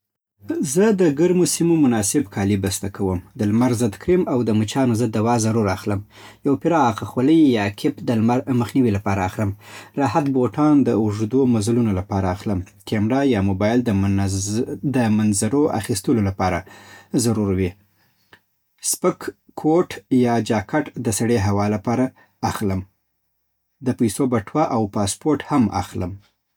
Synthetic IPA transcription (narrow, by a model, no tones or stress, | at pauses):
zəd̪əɡaɾmosimomʊnɑsɪbkʰɑlibast̪akʰawəmd̪əlmaɾzəd̪kɾimawd̪əmət͡ʃɑnozəd̪ːawɑzaɾuɾaxləm | jawpɪɾɑːqaxwoləjjɑkʰɪpd̪əlmaɾməxniwilapɑɾaːxləmɾɑhat̪boʈɑnd̪əʊʐd̪omazlunolapɑɾaːxləm | kʰemɾɑjɑmobɑjld̪ə | d̪əmanzaɾoa̰xist̪əlolapɑɾa̰zaɾuɾwi | spəkːʰ | oʈjɑd͡ʒɑkʰaʈd̪əsaɽeɦawɑlapɑɾaː | xləm | d̪əpajsobaʈwaʔawpɑspoɾʈhama̰xləm